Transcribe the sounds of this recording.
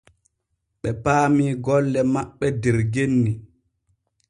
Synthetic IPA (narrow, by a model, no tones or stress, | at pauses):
ɓɛpaːmiːɡɔlːɛmaɓːɛdɛɾɡenːi